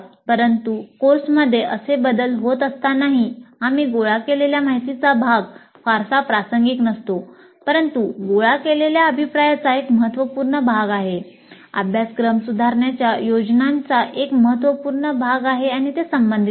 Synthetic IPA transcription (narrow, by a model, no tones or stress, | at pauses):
pəɾənt̪ukoɾsməd̪ʱːjeʔəsebəd̪əlɦot̪əst̪anaɦiamiːɡoɭakeleljamaɦit̪it͡sabʱaɡ | faɾsapɾasəŋɡiknəst̪o | pəɾənt̪uɡoɭakeleljaəbʱipɾajat͡saekməɦət̪ʋəpuːɾɳəbʱaɡaɦe | ə̰bʱjaskɾəmsud̪ʱaɾɳjat͡ɕjajod͡ʑnant͡saʔekməɦət̪ʋəpuːɾɳəbʱaɡaɦeaɽ̃it̪esəmbənd̪ʱi